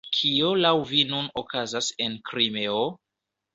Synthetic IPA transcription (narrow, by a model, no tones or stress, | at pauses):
kʰiolawvinunokʰazase̞nkɾime̞o